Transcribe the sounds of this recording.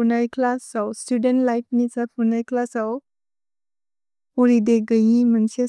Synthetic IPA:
unajkʰlasawstudentlajt̚nisapʰunajklasaw | uɾideɡəjimənse

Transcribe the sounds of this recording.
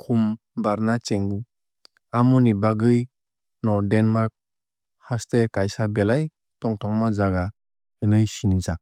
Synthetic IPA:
kʰum | baɾnat͡ʃeŋɡu | amunibaɡɯj | nɔdenmaɾk̚ | hastekajsabɛlaj | tɔŋtʰɔŋmazaɡa | ɯnɯjsiniza

